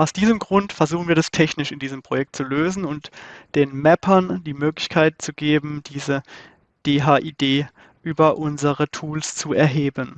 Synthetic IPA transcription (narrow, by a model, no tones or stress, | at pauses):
ʔaʊsd̥iːzəmɡʁʊntfɛɐzuːxn̩viːɐdastʰɛçnɪʃɪndiːzəmpʁ̥ojɛk̚tt͡suløːzn̩ʊntd̥eːnmɛpʰɐndiːmøːklɪçkʰaɪt̚t͡suɡ̥eːbm̩d̥iːzə | d̥eːɦaːʔiːd̥eː | ʔyːbɐʔʊnzəʁətʰuːlst͡suɛɐɦeːbən